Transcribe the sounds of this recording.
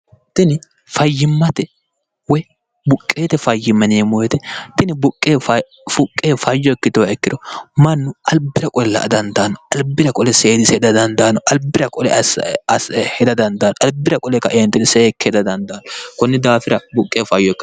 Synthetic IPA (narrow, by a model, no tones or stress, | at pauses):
t̪ɪnɪ | fɐjːɪmːɐt̪ɛ | wɔj | bʊkʼːe̞ːt̪ɛfɐjːɪmːɐnɛmɔjɛt̪ɛt̪ɪnɪbʊkʼːeːf | fʊkʼːeːfɐjːɔɪkːɪt̪ɔwɛkːɪd̪ɔmɐnːʊʔɐlbɪɾɐkʼɔllːɐ̰d̪ɐnd̪aːnɔɐlbɪɾɐkʼɔlɛseːd̪ɪsɛd̪ɐd̪ɐnd̪aːnɔʔɐlbɪɾɐkʼɔlɛ̰shɛd̪ɐd̪ɐnd̪aːnɔʔɐlbːɪɾɐkʼɔlɛkːɐʔeːnt̪ːɪd̪ɪsɛːkʰːɛd̪ɐd̪ɐnd̪aːnɔkɔnːɪd̪aːfɪɾɐbʊkʼːeːfɐjːɔɪkːɐ